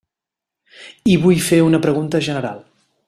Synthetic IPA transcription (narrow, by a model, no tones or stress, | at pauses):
iβujfeunəpɾəɣunt̪əʒənəɾa̰lˠ